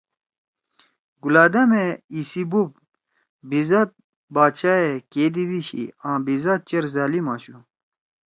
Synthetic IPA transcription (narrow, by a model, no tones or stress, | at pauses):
ɡulaːd̪ɐmeisibup̚ | bizɐt̪̚ | baːt͡ɕʰaːekeːd̪id̪iɕḭãːbizɐt̪̚t͡ɕɐɾzaːlimaːɕu